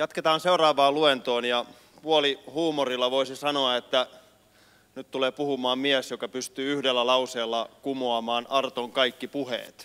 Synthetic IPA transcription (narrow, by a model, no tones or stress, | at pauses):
jɑt̪ket̪ɑːnseurɑːʋɑːluent̪oːnjɑ | puolihuːmorilːɑʋoisisɑnoɑet̪ːæ | nyt̪t̪uleːpuhumɑːmmiæsjokɑpyst̪yːyhdelːælɑuseːlːɑkumoɑmɑːnɑrt̪oŋkɑikːipuhḛːt̪